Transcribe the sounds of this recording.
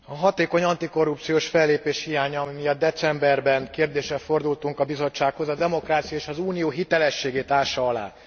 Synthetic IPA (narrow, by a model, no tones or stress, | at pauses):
ɒɦɒt̪eːko̞ɲɒnt̪iko̞rːupt̪sijoːʃfɛlːeːpeːʃhijaːɲɒmijɒd̪̚ːɛt̪sɛmbɛrbɛŋkeːrd̪eːʃɛfo̞rd̪ult̪uŋkɒbizo̞t͡ʃːaːkho̞zɒd̪ɛmo̞kraːt̪sijɒeːʃɒzuːnijoːɦit̪ɛlɛʃːeːɡeːt̪aːʃɒɒla̰ː